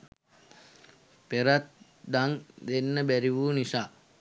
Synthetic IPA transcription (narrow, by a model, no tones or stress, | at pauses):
peɾat̪̚ | d̪aŋd̪enːəbæɾiʋuːnisaː